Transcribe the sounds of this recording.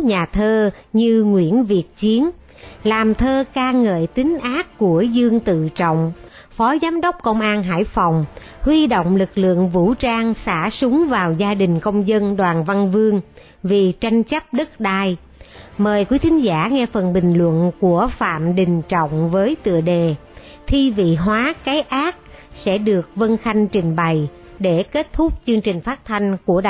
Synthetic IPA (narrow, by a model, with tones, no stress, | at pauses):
ɲaː˨˩t̪ʰəː˧ɲɨ˧ŋwḭ˧˩ənvi˨˩ət̚t͡ɕi˨˦ən | laː˨˩mt̪ʰəː˧kaː˧ŋə̰ː˧˨jt̪ï˨˦ŋ̟ʔaː˦˥kːku˧˩əzɨ˧əŋt̪ɨ̰˧˨t͡ɕɔ̰˧˨wŋ͡m | fɔ˨˦zaː˨˦mɗə˦˥wk͡p̚kə˧wŋ͡mʔaː˧nɦa̰ː˧˩jfɔ˨˩wŋ͡m | hwi˧ɗo̰˧˨wŋ͡mlɨ˨˩k̚lɨ̰˧˨əŋvṵ˧˥t͡ɕaː˧ŋsa̰ː˧˩sʊ˨˦ŋ͡mvaː˨˩wzaː˧ɗï˨˩ŋ̟kə˧wŋ͡mzə˧nɗwaː˨˩nva˧nvɨ˧əŋ | vi˨˩t͡ɕa˧jŋ̟t͡ɕə˦˥p̚ɗə˦˥t̚ɗaː˧˩j | məː˨˩jkwi˨˦t̪ʰï˨˦ŋ̟zaː˧˩ŋɛ˧fə˨˩nɓï˨˩ŋ̟lwə̰˧˨nku˧˩əfa̰ː˧˨mɗï˨˩ŋ̟t͡ɕɔ̰˧˨wŋ͡mvəː˨˦jt̪ɨ̰˧˨əɗe˨˩ | t̪ʰi˧vḭ˧˨ɦwaː˨˦ka˨˦jʔaː˦˥k̚ | sɛ̰˧˥ɗɨ˨˩ək̚və˧nxa˧jŋ̟t͡ɕï˨˩ŋ̟ɓa˨˩j | ɗe˧˩ke˦˥t̚t̪ʰʊ˦˥k͡p̚t͡ɕɨ˧əŋt͡ɕï˨˩ŋ̟faː˦˥t̚t̪ʰa˧jŋ̟ku˧˩ə˧˨